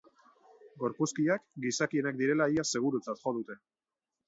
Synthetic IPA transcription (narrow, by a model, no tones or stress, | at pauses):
ɡo̞ɾpuskiakɡisakie̞nak̚d̪iɾe̞laiase̞ɣ̞uɾut͡sat̪xo̞ð̞ut̪e̞